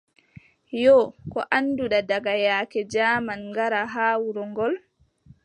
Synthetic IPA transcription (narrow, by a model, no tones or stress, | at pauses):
jɔkɔʔanːduɗadaɡajaːkɛd͡ʒaːmanŋɡaɾaɦaːwuɾɔŋɡɔl